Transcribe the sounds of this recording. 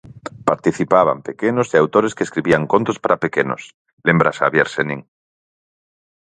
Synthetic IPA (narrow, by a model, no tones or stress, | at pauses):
paɾt̪iθipaβ̞a̰mpekenozðeawt̪oɾeskeskɾiβiaŋkont̪ospaɾapekeno̰s | lembɾasaβjeɾseniŋ